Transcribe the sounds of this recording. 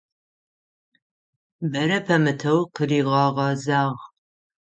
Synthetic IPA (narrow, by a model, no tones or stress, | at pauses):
bɐɾɐpʰɐmɨtʰɐwqəriːʁɑːʁɐzaːʁ